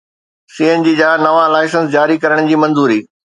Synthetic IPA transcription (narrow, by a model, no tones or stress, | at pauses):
siːend͡ʑiːd͡ʑaːnɐʋalaːɪsə̃nsd͡ʑaːɾikɐɾəɽ̃d͡ʑiːmɐ̃nzuːɾiː